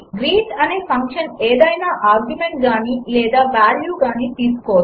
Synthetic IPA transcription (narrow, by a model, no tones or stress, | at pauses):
ɡɾiːʈɐneːpɐŋkʂɐneːd̪ɐjnaːʔaːɾɡjumeɳʈ̚ɡaːnilɛːd̪aːʋaːljuːɡaːnit̪iːsu̥koːʋɐt̪